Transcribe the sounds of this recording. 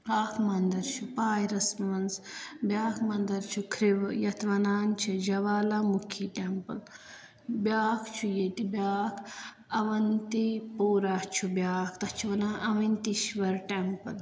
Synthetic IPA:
aːkʰmɐnd̪ɐɾt͡ʃʰupaːjɾɐsmɐnzbjaːkʰmɐnd̪ɐɾt͡ʃʰukʰɾiʋjɐt̪ʰʋɐnaːnt͡ʃʰid͡ʒɐʋaːlamukʰiːʈempɐl | bʲjaːkʰt͡ʃʰujet̪ibʲaːkʰ | ɐʋɐnt̪ipuːɾaht͡ʃʰubjaːkʰt̪ɐt͡ʃʰuʋɐnaːʔɐʋint̪iʃʋɐɾʈempɐl

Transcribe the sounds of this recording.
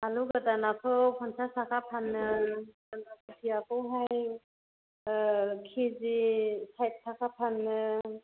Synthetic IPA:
aluɡadanatʰɔpʰɔnsasakʰapʰanːɯ | anapɯtʰijakʰɔwɦaj | kʰizisajt̚sʰakʰapʰanːɯ

